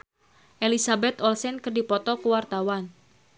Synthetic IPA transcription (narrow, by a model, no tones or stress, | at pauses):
ʔelisabɛt̪ɔlsɛnkərdipɔt̪ɔkuwart̪awan